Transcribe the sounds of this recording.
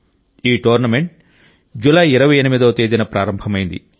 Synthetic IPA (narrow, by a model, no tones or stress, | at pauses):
iːʈoːɾnɐme̞ɳʈ̚ | d͡ʒulaːiɾɐʋɐjenimid̪ɐːt̪eːd̪inɐpɾaːɾɐmbʱɐmɐjind̪i